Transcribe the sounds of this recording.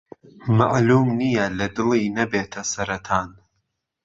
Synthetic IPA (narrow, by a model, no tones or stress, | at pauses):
ma̰ʔluːmnijɐlɐd̪ɨlˠiːnɐbeːt̪ʰɐsɐɾɐt̪ʰaːn